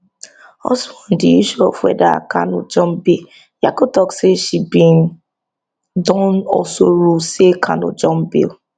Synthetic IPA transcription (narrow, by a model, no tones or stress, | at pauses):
ɔ̰sɔ̃ndiiʃuɔ̰fwɛ̰dakãno̰d͡ʒɔ̃mpbi | jakotɔkseʃibĩn | dɔ̃nɔlsoɹulsekʰãno̰d͡ʒɔ̃mbḭl